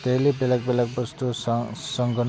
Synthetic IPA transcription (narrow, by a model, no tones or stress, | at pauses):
t̪elibelak̚belak̚bʌst̪ussʌŋɡʌn